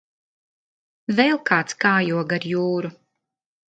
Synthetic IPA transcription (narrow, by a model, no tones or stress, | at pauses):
vɛlˠkaːt̪skaːjuɔɡaɾjuːɾu